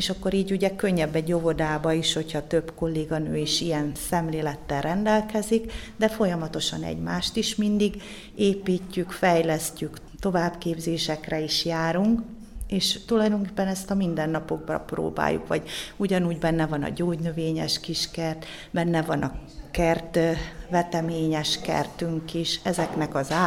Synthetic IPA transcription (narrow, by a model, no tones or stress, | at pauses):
eːʃɒkːo̞ɾiːɟuɟɛkø̞ɲːɛbːɛɟo̞vo̞d̪aːbɒiʃho̞chɒt̪ø̞bko̞lːeːɡɒnøːiʃijɛnsɛmleːlɛt̪ːɛlrɛnd̪ɛlkɛzikd̪ɛfo̞jɒmɒt̪o̞ʃɒnɛ̰ɟmaːʃt̪iʃmind̪iɡ | eːpiːcːykfɛjlɛscyk | t̪o̞vaːbkeːbzeːʃɛkrɛiʃjaːɾuŋk | eːʃt̪ulɒjd̪o̞ŋkeːpːɛnɛst̪ɒmind̪ɛnːɒpo̞ɡ̚bɒ̰pro̰ːba̰ːjṵkʋɒ̰ɟuɟɒnuːɟbɛnːɛvɒnɒ̰ɟoːɟnøveːɲɛʃkiʃkɛrt̪ | bɛnːɛvɒnʔɒkɛrt̪vɛt̪ɛmeːɲɛʃkɛ̰rt̪yŋkiʃɛzɛknɛkɒzaː